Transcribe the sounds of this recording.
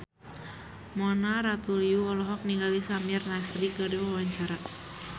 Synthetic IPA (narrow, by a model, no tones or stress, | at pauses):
mɔnaɾat̪uliuɔlɔɦɔk̚niŋɡalisamirnaslikadiwawaɲt͡ʃaɾa